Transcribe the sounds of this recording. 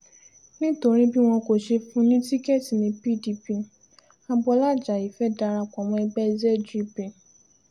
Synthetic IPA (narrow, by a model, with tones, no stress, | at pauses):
nĩ˦to˧ɾ̃ĩ˦bi˦w̃ɔ̃˧ko˨ʃe˧fũ˧˦nĩ˦ti˦kɛ˦˨ti˨nĩ˧pi˦˨di˧pi˧ | a˧bɔ˧la˦˨d͡ʒa˨i˨fɛ˦da˧ɾa˧kɔ˨mɔ̃˧ɛ˧ɡ͡bɛ˦d͡ʒɛ˦˨d͡ʒi˦pe˨